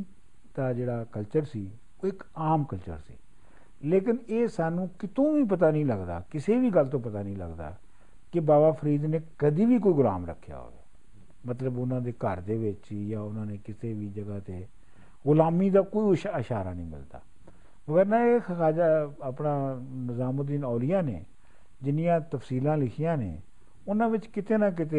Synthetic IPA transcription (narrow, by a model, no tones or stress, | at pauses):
d̪aːd͡ʒeːɽaːkəlt͡ʃəɾsiː | oːɪkaːmkəlt͡ʃə̰ɾsḭː | leːkɪneːsaːnũːkɪt̪õːʋiːp̬ət̪aːnəĩːləɡd̪a̰ːkɪseːʋiːɡəlt̪õːpət̪aːnĩːlə̰ɡd̪a̰ː | kɪbaːbaːpʰəɾiːd̪neːkəd̪iːʋiːkoːiːɡʊla̰ːmɾə̰kʰːja̰ːɦo̰ːḛː | mət̪ləbʊnãːd̪eːkəɾd̪eːʋɪt͡ʃjaːʊnãːneːkɪseːʋiːd͡ʒəɡaːt̪eː | ɣʊlaːmiːd̪aːkoːiːʃəʃaːɾaːnəĩːmɪ̰ld̪a̰ː | məɡəɾnãːekaːd͡ʒaːapnãːnəzaːmõd̪iːnɔːlɪjãːnḛː | d͡ʒɪnɪjãːt̪əfsiːlãːlɪkʰɪjãːnḛː | ʊnãːʋɪt͡ʃkɪt̪eːnãːk̬ɪt̪eː